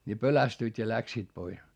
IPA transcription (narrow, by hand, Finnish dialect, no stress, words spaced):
ni pølæstyit jɑ læksiːt pois